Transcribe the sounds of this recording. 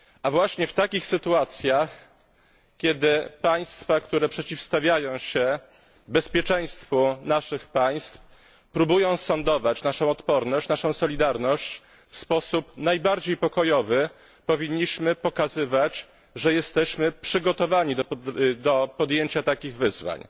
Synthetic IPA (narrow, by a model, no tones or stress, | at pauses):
avwaɕɲɛft̪akʲixsɘt̪uat̪sʲjax | kʲjɛd̪ɘpaj̃st̪fakt̪uɾɛpʂɛt͡ɕifst̪avʲjajɔ̃w̃ɕɛ | bɛspʲjɛt͡ʂɛ̃j̃st̪funaʂɘxpaj̃st̪f | pɾubujɔ̃w̃sɔnd̪ɔvat͡ɕnaʂɔ̃w̃ɔt̪pɔɾnɔɕt͡ɕnaʂɔ̃w̃sɔlʲid̪aɾnɔɕt͡ɕ | fspɔsupnajbaɾd͡ʑejpɔkɔjɔvɘ | pɔvʲiɲːiɕmɘpɔkazɘvat͡ɕ | ʐɛjɛst̪ɛɕmɘpʂɘɡɔt̪ɔvaɲid̪d̪ɔpɔd̪jeɲt͡ɕat̪akʲiɣvɘzva̰ɲ